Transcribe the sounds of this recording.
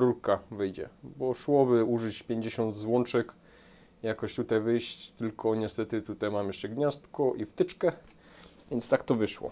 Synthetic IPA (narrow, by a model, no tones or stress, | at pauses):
ɾuɾkavɘjd͡ʑɛ̰bɔʂwɔbɘuʐɘt͡ɕpʲjeɲd͡ʑeɕɔnd̪zwɔnt͡ʂɛk | jakɔɕt̪ut̪ajvɘjɕt͡ɕt̪ɘlkʰɔɲɛst̪ɛt̪ɘt̪ut̪ajmamjɛʂɛɡɲast̪kɔʔift̪ɘt͡ʂkɛ | vʲjɛnt̪st̪akt̪ɔvɘʂwɔ̰